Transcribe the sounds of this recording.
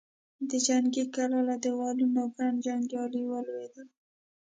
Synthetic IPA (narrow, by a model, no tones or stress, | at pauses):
d̪əd͡ʒaŋɡekaɾɑlad̪əwɑlunoɡɾand͡ʒaŋɡjɑliwəlwed̪əl